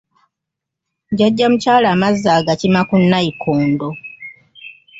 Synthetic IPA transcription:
ɟaɟːamucaːlaːmazːaːɡacimakunːaikʰoːndo

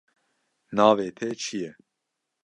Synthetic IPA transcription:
nɑːveːt̪ʰɛt͡ʃʰijɛ

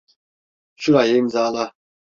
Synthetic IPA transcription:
ʃuɾajɛmd͡zaːla

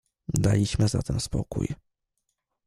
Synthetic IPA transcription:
d̪alʲiɕmɘzat̪ɛnspɔ̰kṵj

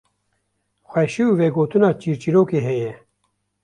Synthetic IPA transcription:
xwɛʃiuveːɡoːt̪unɑːt͡ʃiːɾt͡ʃiɾoːkeːɦɛjɛ

